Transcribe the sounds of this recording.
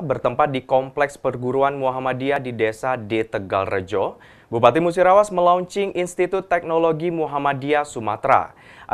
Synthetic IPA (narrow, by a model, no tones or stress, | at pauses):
bərt̪əmpat̪̚dikɔmplɛkspərɡuɾuanmuɦamadiadidɛsadɛt̪əɡa̰lrə̰d͡ʒɔ | bupat̪imus̬iɾawasməlauɲt͡ʃɪŋinst̪it̪ut̪ːɛk̚noloɡimuɦamadiasumat̪ɾa̰ | ʔa̰